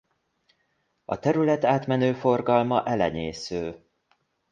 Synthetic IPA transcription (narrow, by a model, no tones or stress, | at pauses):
ɒ̰t̪ɛɾylɛt̪aːt̪mɛnøːfo̞rɡɒlmɒʔɛlɛɲeːsøː